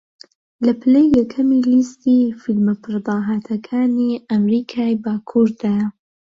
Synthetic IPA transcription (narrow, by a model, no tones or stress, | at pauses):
lɐpʰɨlejːɛkʰɐmiːlist̪ifilmɐpʰɨɾd̪ɑːɦaːt̪ʰɐkʰaːniːɐmɾiːkʰaːjbaːkʰuɾd̪aːjɐ